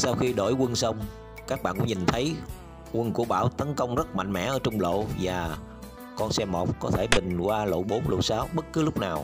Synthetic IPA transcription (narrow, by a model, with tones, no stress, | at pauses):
saː˧wxi˧ɗo̰˧˩jkwə˧nsə˧wŋ͡m | kaː˦˥k̚ɓa̰ː˧˨nkʊ̰˧˥ŋ͡mɲi˨˩nt̪ʰə˨˦j | kwə˧nku˧˩əɓa̰ː˧˩wt̪ə˨˦nkə˧wŋ͡mzə˦˥t̚ma̰˧˨jŋ̟mɛ̰˧˥ʔəː˧˩˦t͡ɕʊ˧ŋ͡mlo̰˧˨vaː˨˩ | kɔ˧nsɛ˧mːo˨˩k͡p̚kɔ˨˦t̪ʰe˧˩ɓï˨˩ŋ̟kwaː˧lo̰˧˨ɓo˨˦nlo̰˧˨jsaː˨˦wɓə˦˥t̚kɨ˨˦lʊ˦˥k͡p̚naː˨˩w